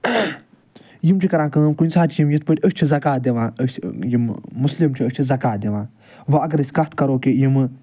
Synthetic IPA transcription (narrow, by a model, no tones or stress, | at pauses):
jimt͡ʃʰikɐɾãːkəɨmkunʲsaːt͡ʃʰijimjit̪̚ʰpəʈʲəsʲt͡ʃʰizɐkaːd̪ʲeʋãːəjimmuslimt͡ʃʰiəsʲt͡ʃʰizɐkaːd̪ʲeʋãː | ʋɐɐɡɐɾəsʲkɐt̪kɐɾoːkejimɨ